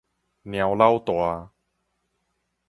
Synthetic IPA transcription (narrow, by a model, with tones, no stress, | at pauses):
nj̃ã˨˧wla˥˧wt̪wa˧